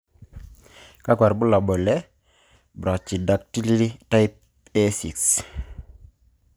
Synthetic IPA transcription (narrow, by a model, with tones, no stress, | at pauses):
ka˦kwa˨ɾbʊ˦la˨bɔ˨lɛ˦ | bɾa˨t͡ʃi˨da˨k̚ti˦li˦i˦ta˦ɪ˦p̚ | ɛ˦si˨ks